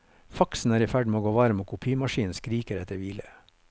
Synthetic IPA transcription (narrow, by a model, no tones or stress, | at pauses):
fɑksn̩æːɾiːfæɖmeːoːɡoːʋɑɾmoːkʰʊpʰiːmɑʃiːn̩skɾiːkəɾɛt̪ʰəɾʋiːlə̰